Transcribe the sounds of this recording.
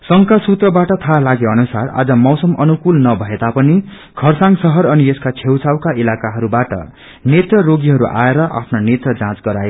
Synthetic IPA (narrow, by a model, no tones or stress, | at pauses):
sʌŋkasut̪rʌbaʈʌt̪ʰalaɡeʌnusara̰d͡zʌmʌwsʌmʌnukulnʌbʱʌed̪apʌni | ɡʰʱʌrsãŋsʌɦʌɾʌnieskat͡sʰewt͡sawkaʔilakaɦʌɾubaʈʌ̰ | net̪rʌroɡiɦʌɾuʔa̰eɾʌʔa̰pʰnonet̪rʌd͡zãt͡sɡʌɾaje